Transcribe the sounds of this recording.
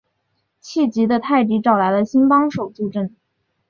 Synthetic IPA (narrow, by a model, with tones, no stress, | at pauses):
t͡ɕʰi˥˩t͡ɕi˧˥d̪ə˧t̪ʰa˥˩ɪt̪i˧˥ʈ͡ʂɑ˨˩ʊla˧˥ɪlə˧ɕi˥npɑ˥ŋʂo˨˩ʊt͡su˥˧ʈ͡ʂə˥˩n